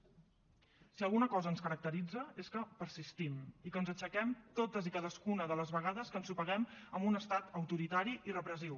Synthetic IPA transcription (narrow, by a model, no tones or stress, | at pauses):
siəlˠɣunəkɔzəːnskəɾək̚t̪əɾid͡zəeskəpəɾsist̪imikənzət͡ʃəkɛmt̪ot̪əzikaðəskunəðələzβəɣaðəskənsupəɣɛməmbunəst̪at̪əwt̪uɾit̪aɾiʔirəpɾəziw